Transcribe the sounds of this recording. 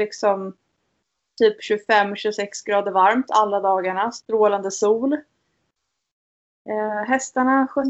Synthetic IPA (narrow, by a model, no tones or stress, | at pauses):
ɪksɔm | t̪ʰyːpɕɵfɛmːɕɵsɛksɡɾɑːd̪əɾvaɾmt̪ʰalːad̪ɑːɡaɳast̪ɾoːland̪əsuːl | ɦɛst̪aɳaɧœ